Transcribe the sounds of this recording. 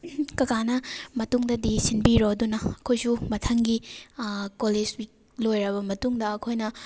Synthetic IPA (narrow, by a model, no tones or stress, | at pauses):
kɐkanɐmɐtuŋdɐdisinbiɾodunɐɐkʰojsumɐtʰɐŋɡi | koled͡ʒwik̚ | lojɾɐβɐmɐtuŋdɐɐkʰojnɐ